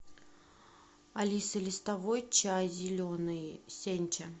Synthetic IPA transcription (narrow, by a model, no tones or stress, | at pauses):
alʲisɨlʲɪst̪avojt͡ɕazʲɪlʲonɨjsʲenʲt͡ɕɐ